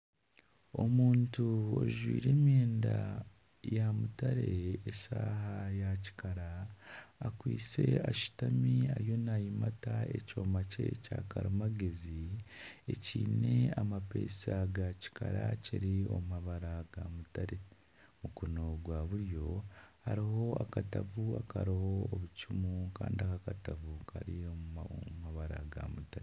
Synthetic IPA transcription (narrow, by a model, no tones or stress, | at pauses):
omuːntuo̰ʒwiːɾe̞ːmjeːnda | jamutaɾeesaːɦajaci̥kaɾaː | kwiːt͡se̞aʃi̥tamiaɾjo̞najimataeco̞ːmace̞̰caːkaɾumaɡezi | eciːne̞amapḛːsaɡaci̥kʰaɾaciɾio̞̰mumaβaɾaɡamutaɾe | mukonoɡwaːβuɾj̞ohaɾiɦo̞akatavuakaɾihoːβucumukaːndiakakatavukʰaɾioumaβaɾa̰ɡa̰mutaɾe